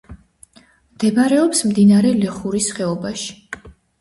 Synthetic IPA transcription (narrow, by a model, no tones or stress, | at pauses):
md̪̥ɛbaɾɛɔpsmd̪inaɾɛlɛχuɾisχɛɔbaʃi̥